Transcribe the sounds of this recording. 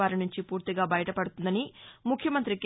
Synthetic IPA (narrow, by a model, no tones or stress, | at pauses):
aːɾinuɲt͡ʃipuːɾt̪iɡaːbɐjɐʈɐpɐɽut̪und̪ɐnimukʰjɐmɐnt̪ɾik